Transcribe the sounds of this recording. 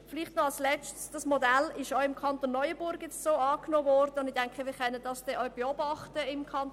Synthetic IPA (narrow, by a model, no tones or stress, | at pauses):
fɪliχtnɔɑlslɛt͡stsd̥ɑsmodælɪʃɔʊɪmkʰɑnt̪oːnːɔʏəb̥ʊɾɡ̥jɛt͡stsoːɑːknoːvɔrdəʊndɪd̥ɛŋkχəʋiːkɛnəd̥ɑsd̥ɛʔɔʏb̥eɔbɑχtəɪmkʰɑn